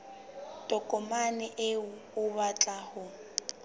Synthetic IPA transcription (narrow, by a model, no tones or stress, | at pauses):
tʼɔkʼɔmanɪʔɪʊʊβat͡ɬʼahʊ